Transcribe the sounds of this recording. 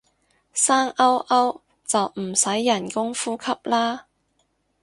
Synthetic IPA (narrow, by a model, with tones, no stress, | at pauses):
saː˥ŋʔɐ˥wʔɐ˥w | t͡sɐ˨wm̩˨˩sɐ˨˥jːɐ˨˩nkʊ˥ŋfuː˥kʰɐ˥p̚laː˥